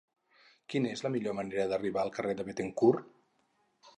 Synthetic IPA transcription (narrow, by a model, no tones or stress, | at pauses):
kinezləmiʎoməneɾəðəriβaəlˠkəreðəβet̪eŋkur